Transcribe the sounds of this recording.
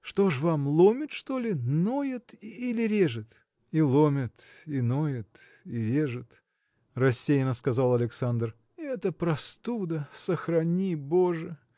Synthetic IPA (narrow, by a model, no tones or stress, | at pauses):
ʂt̪o̞ʂvamlˠomʲɪt̪ʂt̪olʲɪnojət̪ilʲɪɾʲeʐɨt̪ | ilˠomʲət̪inojət̪ | iɾʲeʐɨt̪ | rɐsʲːejnəskɐzalˠɐlʲɪksand̪r | ɛt̪əpɾɐst̪ud̪əsəxrɐnʲiboʐɨ